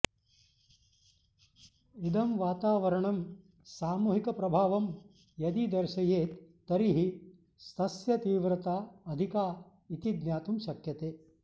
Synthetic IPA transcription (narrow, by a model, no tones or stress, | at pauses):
id̪ɐmʋaːt̪aːʋɐɾɐɳɐm | saːmuːɦikɐpɾɐbʱaːʋɐm | jɐd̪id̪ɐɾʃɐjeːt̪ː | ɐɾiɦi | st̪ʰɐsjɐt̪iːʋɾɐt̪aːɐd̪ʱikaː | it̪id̪njaːt̪umʃɐkjɐt̪eː